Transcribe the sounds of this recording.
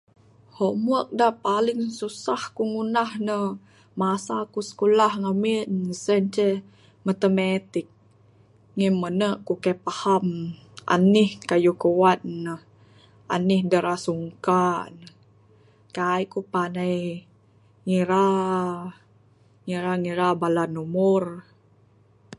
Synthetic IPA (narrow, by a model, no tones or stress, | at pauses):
hoʔmuək̚dapaliŋsusahkuŋunahnəh | masakusə̥kulahŋaminsənt͡ʃɛ | mat̪əmet̪ik̚ | ŋimənəʔkukapahamʔa̰nihkajukəwat̪̚nəh | a̰nihdəɾasuŋkanə | kajkupanaj | ŋiɾa | ŋiɾaŋiɾabalanumʊr